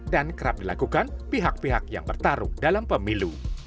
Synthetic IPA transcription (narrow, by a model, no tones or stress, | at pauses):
dankəɾap̚dilakukanpiɦak̚piɦak̚ja̰ŋbərt̪aɾṵdalampəmilu